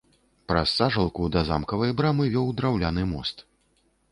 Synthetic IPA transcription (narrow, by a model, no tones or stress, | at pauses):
pɾɐsːaʐɐlˠkud̪ɐza̰mkɐvɐjbɾamɨvʲɔwd̪ɾawlʲanɨmɔst̪